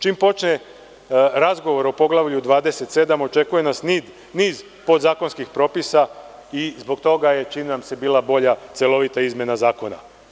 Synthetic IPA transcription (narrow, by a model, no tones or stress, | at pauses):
t͡ʃiːmpo̞t͡ʃne | ɾazɡo̞ʋo̞ɾo̞po̞ɡlaʋʎud̪ʋaːd̪e̞se̞t̪se̞d̪amo̞t͡ʃe̞kuje̞nasni | niːz | po̞d̪zaːko̞nskixpɾo̞ːpisaizbo̞ɡt̪o̞ɡaje̞t͡ʃiːmnamsebiːlabo̞ʎat̪selˠo̞ʋit̪aizmje̞nazaːko̞na̰